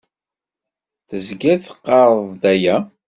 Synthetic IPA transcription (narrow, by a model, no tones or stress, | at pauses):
θəzɡæθə̥qːɑɾˤðˤd̪æjæ